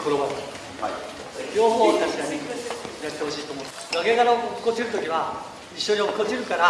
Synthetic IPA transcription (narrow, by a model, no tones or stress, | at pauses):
koɾobaɾt̪ | kʲoːɦoat̪aɕikaɲijat̪ːe̞ho̞ɕiːt̪omõ | ɡaɡeɡaɾaokkːot͡ɕiɾɯ̟t̪o̞kʲiβa | iɕːoɲiokkːot͡ɕiɾɯ̟kaɾa